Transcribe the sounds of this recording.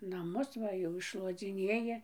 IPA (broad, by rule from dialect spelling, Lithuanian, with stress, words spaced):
nɐˈmʊs ˈʋɐ jɛʊ ɪʃʃlˠuɔd͡zʲɪˈnʲeːjɪ